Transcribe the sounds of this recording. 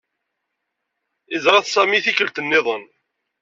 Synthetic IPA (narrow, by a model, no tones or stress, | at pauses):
ɪzɾɑθsˤæmiθikəlt̪ənːɪðˤən